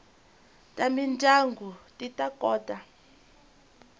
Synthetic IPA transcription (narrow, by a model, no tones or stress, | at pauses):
tʼamintʼaŋɡʱutʼitʼakʼɔːtʼa